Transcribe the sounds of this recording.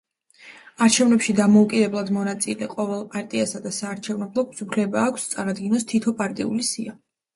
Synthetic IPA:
aɾt͡ʃʰɛvnɛpʃid̪amɔukʼid̪ɛblˠad̪mɔnat̪sʼilɛqʼɔvɛlˠpʼaɾt̪ʼiasad̪asaːɾt͡ʃʰɛvnɛblˠɔksupʰlɛbaːkʷʰst̪sʼaɾad̪ɡinɔst̪ʰit̪ʰɔpʼaɾt̪ʼḭṵlisia

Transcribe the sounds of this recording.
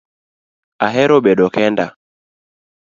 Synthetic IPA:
aɦɛɾɔɓɛɗɔkɛnda

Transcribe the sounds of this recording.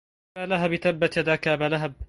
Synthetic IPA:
aːlaɦabɪt̪abːat̪ad̪aːkabalaɦab̚

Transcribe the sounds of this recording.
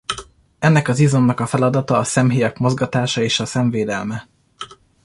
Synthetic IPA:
ɛnːɛkɒzizo̞nːɒkɒfɛlɒd̪ɒt̪ɒːsɛmɦijɒkmo̞zɡɒt̪aːʃɒeːʃɒsɛɱveːd̪ɛlmɛ

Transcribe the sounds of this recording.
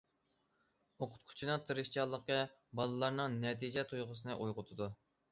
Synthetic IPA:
oqʰʊ̥t̪̚kʰʊ̥t͡ʃʰinɨt̪ʰɨɾɨʃt͡ʃʰɑlˠːəqːə | bɑlˠɨlˠɑɾnɨŋnɛt̪ʰid͡ʒɛt̪ʰujʁʊsɨnɨʔujʁʊt̪ʰɨd̪u

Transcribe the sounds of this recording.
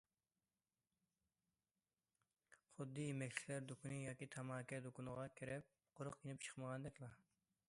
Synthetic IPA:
χʊd̪ːɨjimɛkʲt͡ʃʰlæɾd̪okʰunɨjɑːkʲit̪ʰɑmɑːkʲɛd̪okunɨʁɑkʲʰiɾɛp̚ | qʰʊɾʊqjenɪp̚t͡ʃʰə̥χməʁɑnd̪ɛkʲlˠɑ

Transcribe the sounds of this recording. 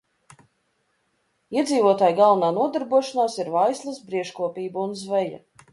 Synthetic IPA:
iɛd̪ziːvuɔt̪aːjɡalˠvnaːnuɔd̪aɾbuɔʃanaːsiɾvajslˠɐsbɾiɛʃkuɔpiːbaunzvɛja̰

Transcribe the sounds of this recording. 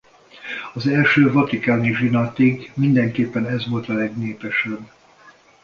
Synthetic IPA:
ɒzɛlʃøːvɒt̪ikaːniʒinat̪iɡmind̪ɛŋkeːpːɛnɛzʋo̞lt̪ɒlɛɡneːpɛʃɛbː

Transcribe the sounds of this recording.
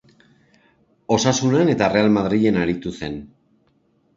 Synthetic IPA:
o̞sasunane̞t̪are̞almað̞ɾiʎe̞naɾit̪use̞n

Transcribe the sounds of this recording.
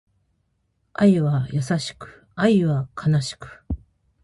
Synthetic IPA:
aiβajasaɕi̥kɯ̟̥ | aiβakʰanaɕi̥kɯ̥

